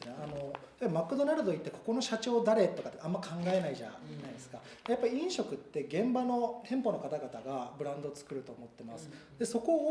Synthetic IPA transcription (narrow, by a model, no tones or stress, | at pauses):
neano̞t̪aimakːɯ̟d̪o̞naɾɯ̟d̪o̞it̪ːe̞kʰo̞̥ko̞no̞ɕat͡ɕo̞ːd̪aɾe̞t̪ːo̞kat̪ːeamːakʰãŋɡae̞naiʑa̰naid̪e̞sɨ̥ka | japːaɾʲiĩɰ̃ɕo̞kɯ̟t̪ːe̞ɡẽ̞mbano̞t̪ʰẽ̞mpo̞no̞kat̪aɡat̪aɡabɯ̟ɾãnd̪o̞t͡sɨ̥kɯ̟ɾɯ̟t̪o̞ːmo̞t̪ːe̞masɨ̥d̪e̞so̞ko̞ː